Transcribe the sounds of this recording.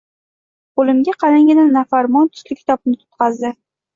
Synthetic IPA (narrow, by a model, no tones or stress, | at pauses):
qolɪmɡʲaqʰɑlaŋɡʲɪd̪anːafaɾmɒnt̪ʰʊ̥slɪkʲʰt̪ʰɒpnɪt̪ʰʊ̥t̪qɑzd̪ɪ